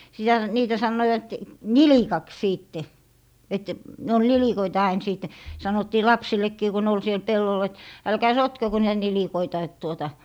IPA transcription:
sitæ niːtæ sɑnːoiwɑt nilikɑks siːtːe et ne ol nilikoitɑ ɑin siˑtˑe sɑnotːiː lɑpsilːekːiː ku ne ol siel pelːol et ælkæː sotkeko niːtæ nilikoitɑ et tuotɑ

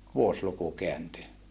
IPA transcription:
ʋuosluku keænty

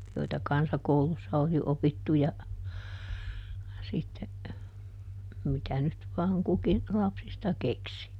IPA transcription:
joitɑ kɑnsɑkoulusːɑ oli opitːu jɑ sitːe mitæ nyt ʋɑːŋ kuki lɑpsistɑ keksi

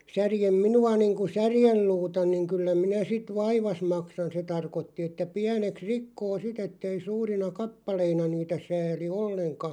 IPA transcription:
særjem minuɑ niːŋku særjelːuːtɑ niŋ kylːæ minæ sit ʋɑiʋɑs mɑksɑn se tɑrkotːi etːæ piæneks rikːoː sit etːei suːrinɑ kɑpːɑleinɑ niːtæ sæːli olːeŋkɑ

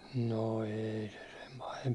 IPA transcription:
no eːi se sem pɑhemp

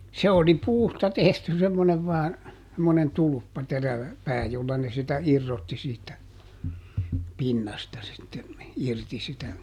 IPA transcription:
se oli puːstɑ tehty semːoneʋ ʋɑːn semːonen tulŭpːɑ teræʋæ pæː jolːɑ ne sitæ irːotːi siːtˑæ pinːɑstɑ sitːe irti sitæ

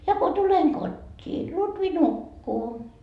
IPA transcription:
jɑ ko tuleŋ kotʲːiː lutʋi nukːuː

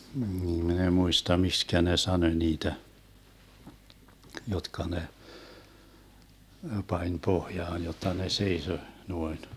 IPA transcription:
min eĭ muistɑ mikskæ ne sɑnoĭ niːtæ jotkɑ ne pɑnʲ pohjɑːn jotːɑ ne seiso nuoin

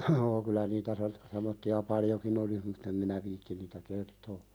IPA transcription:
joː kylæ nitæ se semːotːiɑ pɑljokin olis mutː em minæ ʋiːtːin niːtæ kertoː

